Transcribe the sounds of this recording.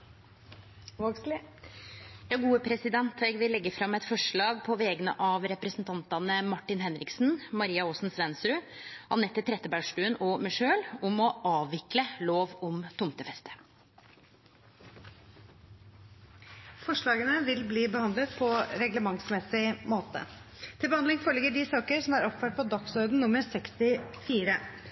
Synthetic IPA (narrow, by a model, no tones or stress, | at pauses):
osl | jɑːɡuːəpʰɾɛsɪd̪ɛnt̪ʰʋɛɡʋɪlːɛɡːəfɾɑmːɛt̪fɔʂɭɑːɡpʰɔʋɛːɡənə̰ʔɑːʋɾɛpɾəsnt̪ʰɑnt̪ɑnəmɑʈːɪnhɛnɾɪksn̩mɑɾiːɑoːsnsʋɛnst̪ɾʉ | ʔɑ̰nɛt̪ːɪt̪ʰɾɛt̪ːəbæʂʈʉːənɔmɪʂøːlʊmɔʔɑːʋɪkləloːʋʊmt̪ʰʊmt̪əfɛst̪ə̥ | fɔʂɭɑːɡənəʋɪlbliːbəhɑnd̪lət̪pʰɔɾɛɡləmɑŋsmɛsɪmoːt̪ə̰t̪ʰɪlbəhɑnd̪ɪŋfoːɭɪɡəɖɪsɑːkəɾsɔmæɾɔpfœːʈ̚pʰɔd̪ɑksɔɾd̪n̩nʊməɾsɛkst̪ɪfiːɾə